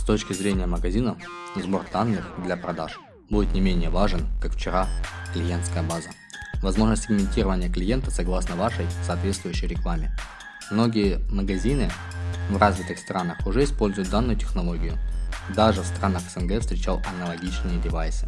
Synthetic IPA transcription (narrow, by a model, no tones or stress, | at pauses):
st̪o̞t͡ɕkʲɪzɾʲenʲɪjəməɡɐzʲinə | zbo̞rd̪anːɨxd̪lʲɐpɾɐd̪aʂ | budʲɪt̪nʲɪmʲenʲɪjəvaʐɨnkakft͡ɕɪɾaklʲɪje̞nt̪skəjəbazə | vɐzmo̞ʐnəsʲtʲsɪɡmʲɪnʲtʲiɾəvənʲɪjəklʲɪje̞nt̪əsɐɡlˠasnəvaʂəjsɐːt̪vʲe̞t̪st̪vʊjʉɕːɪjɾʲɪklˠamʲɪ | mno̞ɡʲɪjəməɡɐzʲinɨvrazvʲɪt̪ɨxst̪ɾanəxʊʐɛɪspo̞lʲzʊjʊt̪̚d̪anːʊjʊtʲɪ̥xnɐlˠo̞ɡʲɪjʊd̪aʐɨfst̪ɾanəxə̥sɛnɡɛfst̪ɾʲɪt͡ɕalˠɐnəlˠɐɡʲit͡ɕnɨjədʲɪvajsɨ̥